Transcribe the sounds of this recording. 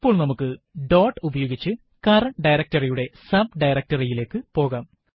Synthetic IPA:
ipːo̞ːɭnɐmukːɨɖo̞ːʈːubɐjo̞ːɡit͡ɕːɨ | kɐɾɐɳɖɐjɾɐk̚tɐrijuɽe̞sɐb̚ɖɐjɾɐk̚tɐrijile̞ːkːɨpo̞ːɣaːm

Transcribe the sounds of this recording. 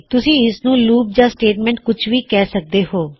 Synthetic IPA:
t̪ʊsĩːɪsnũːluːp̚d͡ʒãːsʈeːʈmɛ̃ːɳʈ̚kʊt͡ʃʰʋiːkɛːsək̚d̪eːhoː

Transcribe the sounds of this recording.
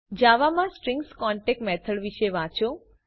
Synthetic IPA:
d͡ʒaʋamãsʈɾiŋɡskɔɳʈek̚mɛt̪ʰəɭʋiʃeʋãt͡ʃõ

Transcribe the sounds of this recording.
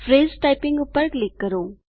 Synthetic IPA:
fʰɾeːzʈaːɪpɪ̃ŋɡʊpːəɾklɪkːəɾoː

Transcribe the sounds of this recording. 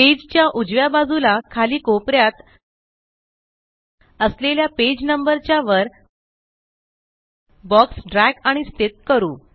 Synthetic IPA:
ped͡ʑt͡ɕjaʔud͡zʋjabad͡zulakʰaliːkopɾjat̪ | əsleljaped͡ʑnəmbəɾt͡ɕjaʋəɾ | bɔksɖɾækaɽ̃ist̪et̪̚kəɾuː

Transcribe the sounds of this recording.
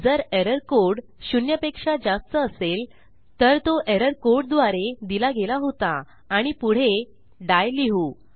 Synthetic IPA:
d͡zəɾeɾəɾkoɽɕunjəpekʂad͡zast̪əːsel | t̪əɾt̪oʔeɾəɾkoɾɽd̪ʋaɾed̪ilaɡelaɦot̪aː | ɽ̃ipuɽ̤e | ɖajliɦu

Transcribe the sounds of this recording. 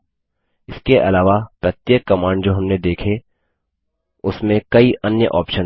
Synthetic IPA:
ɪskeʔɐlaːʋapɾɐt̪jekːɐmaːɳɖd͡ʒoːɦɐmned̪eːkʰe | ʊsmẽkɐiʔɐnjə̰ʔɔ̰ːpʃə

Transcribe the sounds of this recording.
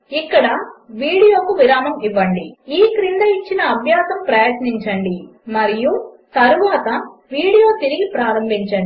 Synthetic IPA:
ikːɐɽɐʋiːɽijo̞ːkuʋiɾaːmɐmiʋːɐɳɖiiːkɾind̪ɐit͡ʃːinɐːbʱjaːsɐmpɾɐjɐt̪niɲt͡ʃɐɳɖimɐɾijut̪ɐɾuʋaːt̪ɐʋiːɽijo̞ːt̪iɾiɡipɾaːɾɐmbʱiɲt͡ʃɐɳɖi

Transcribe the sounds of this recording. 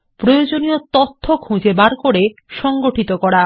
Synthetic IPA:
pɾojod͡ʑoniot̪ot̪ʰːokʰũd͡ʑebaɾkoɾeʃɔŋɡoʈit̪okɔɽa

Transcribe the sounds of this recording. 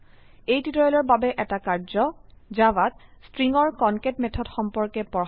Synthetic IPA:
ejtitɔjɔlɔɹbabɛʔɛtakaɹzɔd͡ʒawatstɹiŋɔɹkɔnketmɛtʰɔdxɔmpɔɹkɛpɔ

